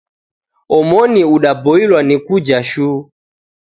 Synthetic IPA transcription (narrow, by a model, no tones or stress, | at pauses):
ɔmɔniuɗabɔilwanikud͡ʒaʃuː